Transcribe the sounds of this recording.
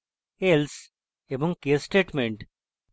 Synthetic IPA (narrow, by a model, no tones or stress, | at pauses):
els | ebɔ̃ŋkesʈeːʈmẽɳʈ